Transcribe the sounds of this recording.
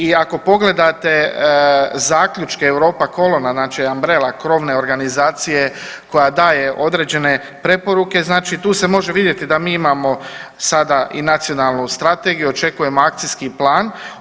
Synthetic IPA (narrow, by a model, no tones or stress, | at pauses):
iako̞po̞ɡle̞d̪at̪e̞ | zaːkʎʲut͡ʃkeːwɾo̞ːpako̞lo̞naznaːt͡ʃiambɾe̞ːlakɾo̞ʋne̞o̞ɾɡanizaːt̪sije̞ | ko̞jad̪aːje̞ʔo̞d̪ɾe̞ːd͡ʑe̞ne̞ | pɾe̞po̞ɾuke̞znaːt͡ʃit̪uːse̞mo̞ʒe̞ʋid̪je̞t̪id̪amiːimamo̞sad̪aʔḭnat̪sijo̞nalˠnust̪ɾat̪e̞ɡijuot͡ʃe̞kuje̞mo̞ak̚t̪siskiplˠaːn